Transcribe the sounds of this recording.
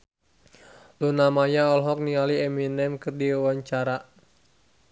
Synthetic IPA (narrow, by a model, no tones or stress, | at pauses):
lunamajaɔlɦɔk̚nialiɛminɛmkɨrdiwawaɲt͡ʃaɾa